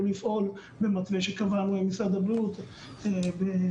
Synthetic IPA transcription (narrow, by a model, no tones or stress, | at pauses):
lifʔo̞l | bemat̪beʃekavanuemisad̪abiut̪ | ebe